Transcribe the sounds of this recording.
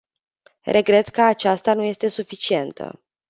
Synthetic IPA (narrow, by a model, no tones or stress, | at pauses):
re̞ɡɾe̞t̪kəat͡ʃast̪anuje̞st̪e̞sufit͡ʃie̞nt̪ʰə̰